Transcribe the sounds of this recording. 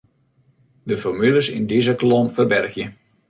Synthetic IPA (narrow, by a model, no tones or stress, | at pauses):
dəfɔrmyləsɪ̰ndizəklomfərbɛrxjə